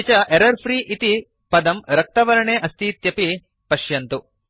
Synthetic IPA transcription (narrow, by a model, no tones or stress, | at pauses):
t͡ʃɐʔeɾɐɾpʰɾiːʔit̪i | pɐd̪ɐmɾɐk̚t̪ɐʋɐɾɐɳeːʔɐst̪ʰiːt̪jɐpi | pɐʃjɐnt̪u